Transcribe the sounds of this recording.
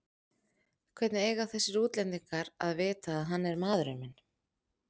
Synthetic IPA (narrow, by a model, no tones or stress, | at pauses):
kʰvɛt̪nɪeːjɣawθɛsɪɾuːt̪lɛnt̪iŋkaɾaðvɪːt̪aːðɦanːɛɾmaːðɾʏmɪn